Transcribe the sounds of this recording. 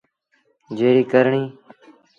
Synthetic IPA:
d͡ʒeːɾiːkəɾɳiː

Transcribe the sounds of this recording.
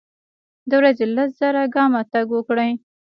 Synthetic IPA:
d̪əwɾazelas̬z̥aɾaɡɑmat̪aɡwəkɽəj

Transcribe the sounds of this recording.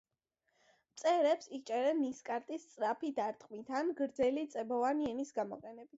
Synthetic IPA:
mt̪sʼɛɾɛpsit͡ʃʼɛɾɛniskʼaɾt̪ʼist̪sʼɾapʰid̪aɾt̪ʼqʼmit̪ʰanɡɾd̪zɛlit̪sʼɛbɔvaniɛnisɡamɔ̰qʼɛnɛbit̪ʰ

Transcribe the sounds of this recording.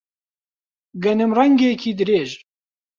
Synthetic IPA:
ɡænəmrɑŋɡekʰid̪ɾeːʒ

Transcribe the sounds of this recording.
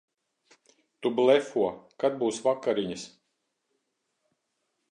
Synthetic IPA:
t̪ublɛfuɔkad̪̚buːsvakːaɾiɲas

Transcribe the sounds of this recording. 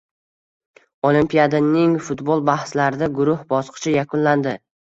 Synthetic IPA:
olˠimpʰijad̪anɪŋfʊt̪bolˠbahslaɾɪd̪aɡʊɾʊhbɒsqʰɨ̥t͡ʃʰɪjakʰʊnland̪ɪ

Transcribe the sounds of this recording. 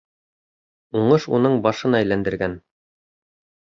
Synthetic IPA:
uɴɤʃunɤɴbɑʃɤ̆nɑæjlænd̪ɘ̆ɾɡæn

